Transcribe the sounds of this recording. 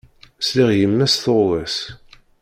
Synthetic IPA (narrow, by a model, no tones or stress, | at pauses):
sliʁjəmːæsθoðˤæs